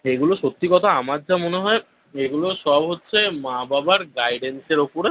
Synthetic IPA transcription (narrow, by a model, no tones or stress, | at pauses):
eɡuloʃot̪ːikɔt̪ʰaamaɾd͡ʑamoneɦɔe | eɡuloʃɔbɦotːɕʰemababaɾɡajɖenseɾopoɾe